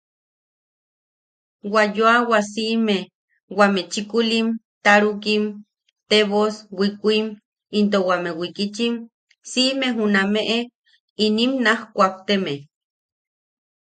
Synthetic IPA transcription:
wajoawas̬iʔme | wamet͡ʃikulim | t̪aɾukim | t̪eβoswikʷim | int̪̬owamewikit͡ʃim | siʔmeɦunameʔe | inimnahkʷak̚t̪eme

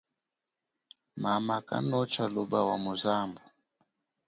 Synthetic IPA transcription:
mamaka̰nɔt͡ʃaluɓawamuzambu

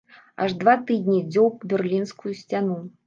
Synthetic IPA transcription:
a̰ʐd̪vat̪ɨd̪ʲnʲid͡zʲɔwpbʲɛrlʲinskujusʲt͡sʲanu

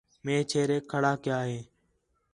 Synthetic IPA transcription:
mẽːt͡ʃʰeːɾeːkʰəɽaːkɪjaːɦeː

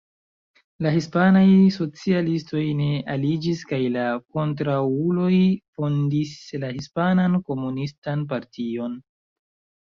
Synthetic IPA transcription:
laɦispanajso̞t͡sialisto̞jne̞ʔalid͡ʒiskajlako̞ntɾaulo̞jfo̞ndislahispananko̞munistanp̬aɾtʰio̞n

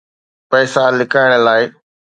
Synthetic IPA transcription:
pɛːsalɪkaːɪɽ̃əlaːɪ

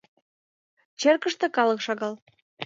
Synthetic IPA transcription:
t͡ɕerkəʃt̪ĕkɑləkʃɑɣɑl

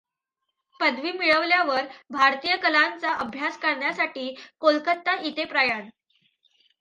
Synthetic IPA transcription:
pəd̪ʋiːmiɭəʋljaʋəɾbʱaɾt̪ijəkəlant͡saʔəbʱjaskaɾɳjasaʈiːkolkət̪ːaʔit̪epɾajan

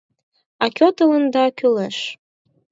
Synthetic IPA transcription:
ɑkʲot̪ələnd̪ɑkʰʲyləʃ

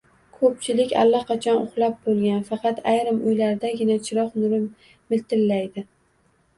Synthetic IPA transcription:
kʰɵp̚t͡ʃʰɪlɪkʲa̰lːaqɑt͡ʃʰɒnʊχlˠap̚bolˠɡʲanfɑqʰɑt̪ʰajɾɪmʊjlaɾd̪aɡʲɪnat͡ʃʰɪɾɒqnʊɾɪ | mɪlt̪ʰɪlːajd̪ɪ

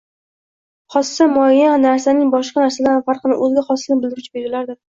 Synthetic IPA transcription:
χɒssamɒjanaɾsanɪŋbɒʃqɑnaɾsalanfaɾqnɪʔɵzɡʲaχɒsɪnɪbɪld̪ɪɾʊt͡ʃʰɪbeɾɪlaɾd̪ɪ

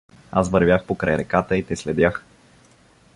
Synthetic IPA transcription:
a̰svəɾvʲjaxpokɾajɾɛkat̪əit̪ɛslɛd̪ʲjax

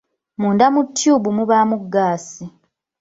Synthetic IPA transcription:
muːndamutːjuːbumuβaːmuɡːaːsi

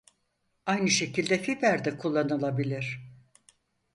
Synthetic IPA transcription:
ajnɯʃe̞cʰilʲd̪ɛfibæɾd̪ɛkʰulˠːanɯlˠabilʲiɾ̥

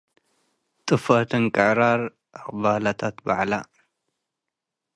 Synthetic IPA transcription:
t̪ʼɨfat̪ʰɨnkʼɨʕɾaɾ | ʔakbalat̪ʰat̪baʕla

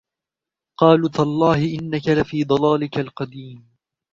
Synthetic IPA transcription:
qɑːluːt̪alˤːɑːhɪʔɪnːakalɪfiːd̪ˤɑlɑːlɪkalqɑd̪iːm

